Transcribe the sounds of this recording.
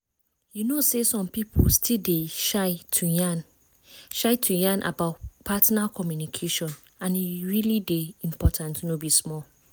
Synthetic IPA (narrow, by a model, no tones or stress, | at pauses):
junosesɔ̃mpipʰostʰildeʃaɪtʰujan | ʃaɪtʰujãnʔa̰baʊpʰatnakʰɔmjunikʰeʃɔ̃n | ãniɹilideĩmpʰɔtʰãntunobismɔl